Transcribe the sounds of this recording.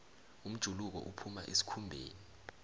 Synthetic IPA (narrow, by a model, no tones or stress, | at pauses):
um̩d̥ʒ̥ʱuluk̬ɔ̰ʔupʰumaʔisi̥kʰumbʱeːni